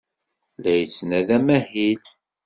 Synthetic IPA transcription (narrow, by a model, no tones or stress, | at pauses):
ðæjət͡sːnæðæmæhil